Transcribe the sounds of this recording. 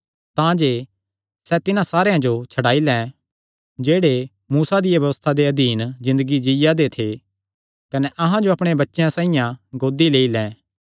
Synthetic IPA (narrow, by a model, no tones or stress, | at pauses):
t̪ãd͡ʒeː | sɛt̪ɪnãsaːɾejãd͡ʒot͡ʃʰɐɽaːilɛ̃ | d͡ʒeːɽe | muːsad̪ɪjabjɐʋəst̪ʰad̪eɐd̪ʱiːnzɪ̃nd̪əɡid͡ʒɪjad̪et̪ʰe | kɐnɛʔɐɦãd͡ʒoɐpɽ̃ebɐtːʃejãsãːijãɡoːd̪ileːilɛ̃ː